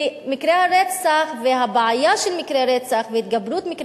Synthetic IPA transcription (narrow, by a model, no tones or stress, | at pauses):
mikɾehaɾet͡saχveɦabʕajaʃelmikɾeɾet͡saχveit̪̚ɡabɾut̪mikɾ